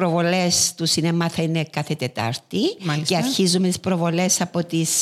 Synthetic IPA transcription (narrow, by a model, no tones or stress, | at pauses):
ɾovo̞lest̪usinemɐθɐine̞kɐθet̪et̪ɐ̰ɾt̪iaceɐɾçizumet̪ispɾovole̞sɐpo̞t̪is